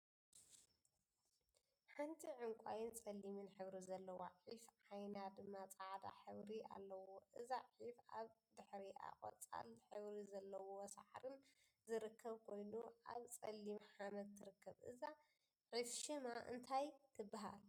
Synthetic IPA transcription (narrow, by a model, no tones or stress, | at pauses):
ħant̪ʰiʕɨŋkʷʼajɪnt͡sʼɐlːimɨnħɨβɾizɐlːɐwo̰ʕifʕajnad̪ɨmːat͡sʼaʕd̪a̰ħɨβɾia̰lːɐwoʔɨzaʕifaβd̪ɨħɾia̰χʼɐ̰t͡sʼa̰lħɨβɾizɐlːɐwowsa̰ħɾɨn | zɨɾɨkʰːɐβkʰo̞jnuʔa̰βt͡sʼɐlːimħamɐtt̪ʰːɨɾɨkːɐβʔɨ̰za | ʕifʃɨmaʔɨ̰nt̪ʰajt̪ʰɨbːaɦa̰l